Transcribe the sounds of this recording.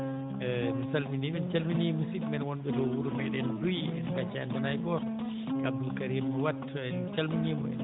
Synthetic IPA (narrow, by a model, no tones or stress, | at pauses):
misalminiɓɛnt͡ʃalminimusiɓːɛnwɔnɓɛdɔwuɾumɛɗɛndujɛ̰kat͡ʃa̰nɔnajbɔɾ | kamdulkaɾimːɔwatː | ɛnt͡ʃalminimuɛ̰n